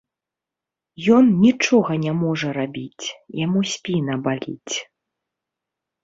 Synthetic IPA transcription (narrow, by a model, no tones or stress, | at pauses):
jɔnnʲit͡ʂɔɣɐnʲamɔʐɐɾabʲit͡sʲjamusʲpʲinɐbalʲḭt͡sʲ